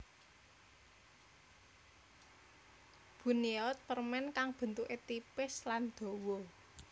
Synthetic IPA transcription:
b̥uniɔt̪̚pərmɛnkaŋb̥ə̤nt̪uʔet̪ipɪsland̪̥o̤wo

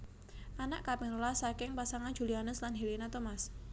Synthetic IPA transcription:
ʔanaʔkapɪŋrolasakɪŋpasaŋan̥d͡ʒ̥ṳlianəslanɦelinat̪omas

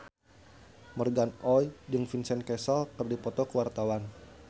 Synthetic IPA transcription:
mərɡanʔɔjdɨŋfinsɛnkɛsɔlkərdipɔt̪ɔkəwart̪awan

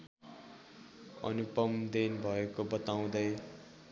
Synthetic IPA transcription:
ʌ̰nupʌmd̪enbʱʌekobʌt̪aw̃d̪ʌj

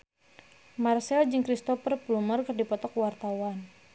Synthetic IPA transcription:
marsɛld͡ʒɨŋkɾist̪ɔfərplumərkɨrdipɔt̪ɔkwart̪awan

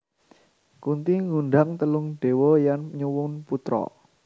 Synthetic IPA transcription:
kunt̪iŋuɳɖaŋt̪əlʊŋɖ̥e̤wɔjanɲuwʊnput̪ɾɔ̰

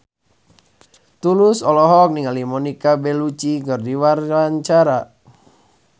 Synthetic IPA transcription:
t̪ulusɔlɔɦɔk̚niŋalimɔnikabɛlut͡ʃiɡɔrdiwaraɲt͡ʃaɾa

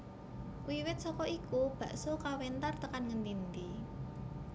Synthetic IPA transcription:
kuwiwɪt̪̚sɔkɔʔikub̥ä̤ʔsokawɛnt̪art̪əkanŋənd̪ind̪i

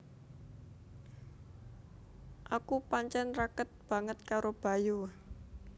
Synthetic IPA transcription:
ʔakupaɲt͡ʃɛnrakət̪̚b̥ä̤ŋət̪̚kaɾob̥a̤ju

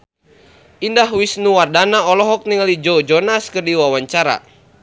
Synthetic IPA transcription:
ʔindaɦwisnuwardanaɔlɔɦɔk̚niŋlid͡ʒɔd͡ʒɔnaskərdiwawaɲt͡ʃaɾa̰

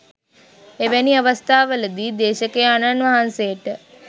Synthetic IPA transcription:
eʋæniaʋəst̪ʰaːʋələd̪iːd̪eːʃəkejananʋaɦansejəʈə

